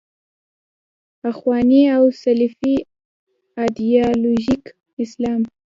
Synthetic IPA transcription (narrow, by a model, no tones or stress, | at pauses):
paxwɑniawsalfi | ad̪iɑloʒik | ɪslɑm